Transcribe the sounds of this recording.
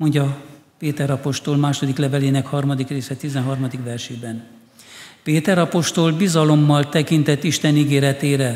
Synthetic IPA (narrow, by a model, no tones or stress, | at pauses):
mo̞ɲɟɒpeːt̪ɛɾɒpo̞ʃt̪olmaːʃo̞d̪iklɛvɛleːnɛkhɒrmɒd̪ikreːsɛt̪izɛnɦɒrmɒd̪ikʋɛrʃeːbɛn | peːt̪ɛɾɒpo̞ʃt̪o̞lbizɒlo̞mːɒlt̪ɛkint̪ɛt̪ːiʃt̪ɛniɡeːɾɛt̪eːɾɛ